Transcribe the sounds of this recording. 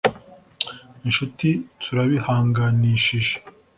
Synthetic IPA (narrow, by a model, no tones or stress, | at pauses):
inʃutitʰuɾaβihaːŋɡaniʃiʒe̥